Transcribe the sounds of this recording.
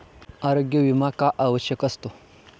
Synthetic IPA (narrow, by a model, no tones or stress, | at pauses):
aɾoɡjəʋimakaʔaʋəɕjəkɐst̪o